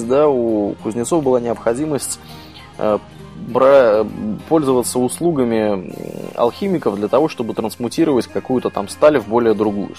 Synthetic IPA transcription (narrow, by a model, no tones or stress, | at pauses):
d̪aukʊzʲnʲɪt̪so̞fbɨlˠanʲɪəpxɐdʲiməsʲtʲ | ə̰ | bɾa | po̞lʲzəvət̪səʊslˠuɡəmʲɪ | ɐ̰lˠxʲimʲɪkəvd̪lʲət̪ɐvo̞ʂt̪o̞bɨt̪ɾənsmʊtʲiɾəvətʲkɐkujʊt̪ət̪a̰mst̪alʲɪvbo̞lʲɪjəd̪ɾʊɡṵjʊ̰